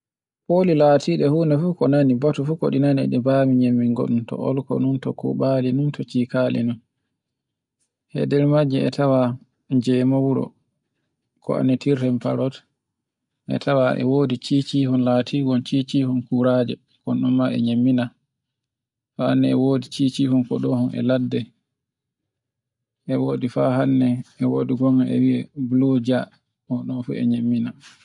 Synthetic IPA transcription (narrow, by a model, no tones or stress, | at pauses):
polilaːtʰiːɗɛhuːnɛfukɔnanibatufukɔ̰ɗinanɛ̰ɗɛbamiɲemːiŋɡɔ̰ɗumtɔ̰ʔɔlkɔ̰nuntɔkɔ̰ɓaːlinumtɔt͡ʃiːkalɛ̰num | hɛ̰dɛlmad͡ʒɛɛtʰawa | d͡ʒɛmɔwuɾɔ̰ | kʰɔ̰a̰nɛtiɾtɛmpaɾɔt | ʔɛ̰tʰawaʔɛ̰woːdit͡ʃit͡ʃiːhɔnlaːtʰiɡɔnt͡ʃit͡ʃihɔnkuɾaːd͡ʒɛ | kɔnɗɔnmaɛ̰ɲemːina | faanːɛɛwoːdit͡ʃit͡ʃiːhɔnkɔɗɔhɔnʔɛ̰ladːɛ | ʔɛwoːdifaɦanːɛɛwoːdiɡɔŋɛɛ̰wiɛblod͡ʒa | ɔɗɔnfṵɛ̰ɲemːina